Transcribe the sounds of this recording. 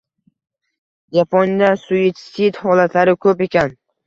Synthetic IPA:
d͡ʒapʰɒnd̪asʊjɪt̪sit̪hɒlat̪ʰlaɾɪkʰɵpe̞kʲan

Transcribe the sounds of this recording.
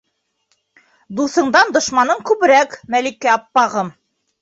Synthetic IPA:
d̪uθɤ̆ɴd̪ɑnd̪ŏʃmɑnɤɴkʉβɘ̆ɾækmælikɘɑpːɑʁɤm

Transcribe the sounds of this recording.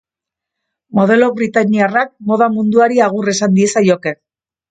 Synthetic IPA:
mo̞ð̞e̞lo̞βɾit̪aɲiarak̚mo̞ð̞amund̪uaɾiaɣ̞ure̞sand̪ie̞sajo̞ke̞n

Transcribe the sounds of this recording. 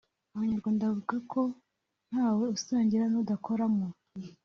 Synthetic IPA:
aβaɲaɾɡwaːndavuɡakʰo̞ | n̥haːwe̞usaːɲɟiɾanudakʰoɾamo

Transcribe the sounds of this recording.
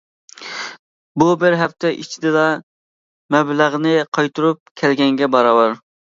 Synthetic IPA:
bubɪɾɦɛpt̪ʰɛʔit͡ʃʰid̪ɪlɑ | mɛblæʁnɪqʰɑjt̪ʰuɾup̚kʲʰɛlɡʲɛŋɡʲɛbɑɾɑwɑɾ

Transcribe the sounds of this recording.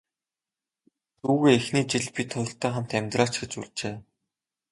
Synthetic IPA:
t̪uːɣeːexniːt͡ɕiɮpʲit̪ʰːɔɞ̆ɬt̪aæːχam̥t̪æmʲt̪raːt͡ɕɡet͡ɕuɮt͡ɕeː

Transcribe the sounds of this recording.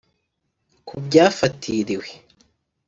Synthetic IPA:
kubɟaːfatʰiɾiwe̥

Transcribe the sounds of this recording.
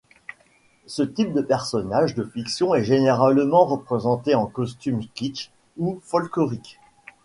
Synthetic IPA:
sət̪ip̚d̪əpɛʁsɔnaʒd̪əfiksjɔ̃ɛʒeneʁalmɑ̃ʁəpχezɑ̃t̪eɑ̃kɔst̪ymskit͡ʃ | ufɔlkɔʁik

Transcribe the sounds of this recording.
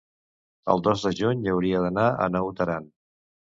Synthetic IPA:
ə̰lˠd̪ozd̪əʒuɲəwɾiəðənaə̰nɔwt̪əɾan

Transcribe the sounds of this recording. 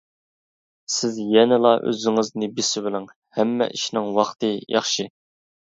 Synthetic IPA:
sɪzjɛnɪlˠɑʔø̰zɪŋɪznɪbisɪbɪlˠɪŋ | hɛmːɛ̰ʔiʃnɪŋwɑχt̪ʰɨjʔɑ̰χʃi

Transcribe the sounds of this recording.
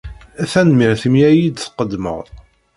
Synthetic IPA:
æθænmiɾθimjæjid̪θqəd̪mə̰ʁ

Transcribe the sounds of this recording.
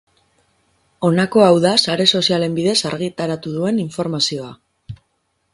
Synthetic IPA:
o̞nako̞awðasaɾe̞so̞siale̞mbiðe̞saɾɣit̪aɾat̪uðue̞niɱfo̞ɾmasio̞a

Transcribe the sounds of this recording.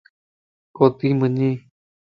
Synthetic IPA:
kot̪imɨ̃ɲĩ

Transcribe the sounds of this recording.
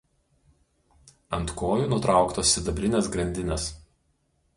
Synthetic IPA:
ɐnt̪koːjuːnʊt̪ɾɑˑʊkt̪oːsːʲɪd̪ɐbʲɾʲɪnʲeːsɡɾɐnʲd̪ʲɪnʲɛs

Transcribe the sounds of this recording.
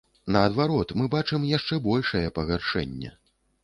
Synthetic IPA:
nɐːd̪vaɾɔt̪mɨbat͡ʂɨmjaʂt͡ʂɛbɔlʲʂɐjɛpɐɣarʂɛ̰nʲːɛ̰

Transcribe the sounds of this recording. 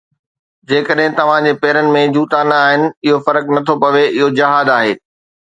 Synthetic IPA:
d͡ʑeːkəɗɦɪ̃t̪ɐʋ̤ãd͡ʑeːpɛːɾənɪ̆mẽd͡ʑuːt̪aːnaaːɦɪnɪ̆ɪɦofɐɾəknɐt̪ʰopɐʋeʔɪɦod͡ʑɐɦaːd̪aːɦeː

